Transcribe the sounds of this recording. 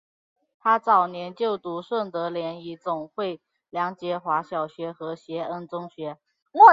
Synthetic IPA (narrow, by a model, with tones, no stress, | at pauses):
t̪ʰa˥t͡sɑ˨˩ʊnjɛ˧˥nt͡ɕjo˥˩ʊt̪u˧˥ʂwə˥˩ŋt̪ɤ˧˥ljɛ˧˥ni˧˥t͡sʊ˨˩ŋxwe˥˩ɪ | ljɑ˧˥ŋt͡ɕjɛ˧˥xwa˧˥ɕjɑ˨˩ʊɕɥɛ˧˥xɤ˧˥ɕjɛ˧˥ə˥nt͡sʊ˥ŋɕɥɛ˧˥ | mwɔ˥˩